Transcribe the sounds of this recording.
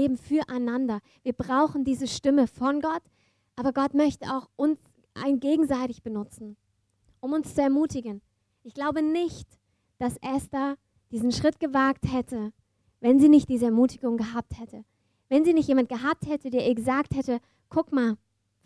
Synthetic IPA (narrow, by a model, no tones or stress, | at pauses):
eːbm̩fyːɐʔaɪnandɐ | viːɐbʁaʊxn̩diːzəʃtɪməfɔnɡɔt | ʔaːbɐɡɔtmœçtəaʊxʔʊns | ʔa̰ɪnɡeːɡŋ̩zaɪtɪçb̥ənʊt͡sn̩ | ʔʊmʊnst͡suɛɐmuːtɪɡən | ʔɪçɡ̥laʊbənɪçt | d̥asʔɛsta | d̥iːzn̩ʃʁ̥ɪt̚ɡ̥əvaːk̚thɛtʰə | vɛnziːnɪçt̚d̥iːzəɛɐmuːtɪɡʊŋɡəɦaːp̚thɛtʰə | vɛnziːnɪçtjeːmant̚ɡ̥əɦaːp̚thɛtədeːʔiːɐɡəzaːkthɛtə | kʰʊkmaːl